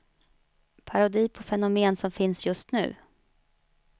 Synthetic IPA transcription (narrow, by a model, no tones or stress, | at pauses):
pʰaɾʊd̪iːpʰɔfɛnʊmeːnsɔmfɪnsjɵst̪nʉ̟̰ː